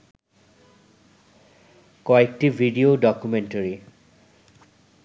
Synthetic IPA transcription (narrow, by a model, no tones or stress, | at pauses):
kɔek̚tivʱidiodɔkumentəɹi